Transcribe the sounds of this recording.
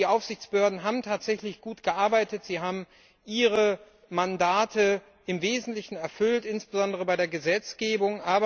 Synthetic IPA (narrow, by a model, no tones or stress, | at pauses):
iːʔaʊfz̥ɪçt͡sb̥əhøːɐdn̩ɦaːbm̩tʰaːtz̥ɛçlɪçɡ̥uːtɡ̥əʔaɐbaɪtətz̥iːɦaːbm̩ | ʔiːʁə | mandaːtʰə | ʔɪmveːzn̩tlɪçn̩ɛɐfʏltʔɪnsb̥əzɔndəʁ̞əbaɪdeːɐɡəzɛt͡sɡ̥eːbʊŋʔaːbɐ